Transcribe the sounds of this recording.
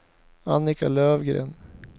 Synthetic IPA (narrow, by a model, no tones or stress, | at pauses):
anɪkaløːvɡɾḛːn